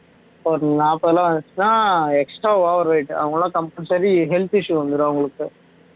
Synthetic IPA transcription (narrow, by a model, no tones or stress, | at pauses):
poɾnaːpːɐðɛlãːʋɐnd̪ɯt͡ʃːɯnːaːɛksʈɾaːʋaːʋɐɾʋɐɪʈɐ̰ʋɐŋɡɐɭːãːkɐmpɐnsɐɾiɦɛlt̪ɪʂjuʋɐnd̪ɯɾɐʋɐŋɡɐɭɯkːɯ